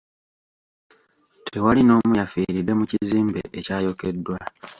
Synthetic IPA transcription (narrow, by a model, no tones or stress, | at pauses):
tʰe̞walino̞ːmujafiːɾidːe̞muciziːmbe̞̰ʔecaːjo̞ke̞dːwa